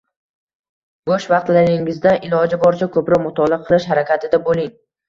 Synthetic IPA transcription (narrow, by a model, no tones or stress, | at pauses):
ɡoʃvɑqt̪laɾɪŋɪzd̪aʔɪlˠɒd͡ʒabɒɾt͡ʃʰakʰɵpɾɒʁmʊt̪ʰɒlˠɪqʰɨlˠɪʃɦaɾakʲʰat̪ʰɪd̪abolɪŋ